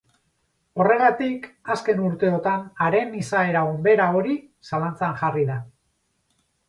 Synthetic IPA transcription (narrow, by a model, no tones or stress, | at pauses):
o̞re̞ɣ̞at̪ikaske̞nuɾt̪e̞o̞t̪anaɾe̞nisae̞ɾaumbe̞ɾao̞ɾi | salant͡saŋʝariða